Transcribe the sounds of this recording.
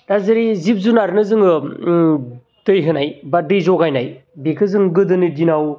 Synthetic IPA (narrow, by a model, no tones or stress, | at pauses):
tazɯɾizip̚zunaɾnɯzɯŋɯ | tɯjɦɯnajbadɯjzɔɡajnajbekʰɯzɯŋɡɯdɯnidinaw